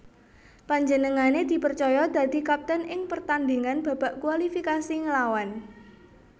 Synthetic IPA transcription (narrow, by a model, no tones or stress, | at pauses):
paɲd͡ʒənəŋaned̪̥i̤pərt͡ʃɔjɔd̪̥a̤d̪̥i̤kap̚t̪ənʔɪŋpərt̪and̪iŋanb̥a̤b̥a̤ʔkualifikasiŋəlawan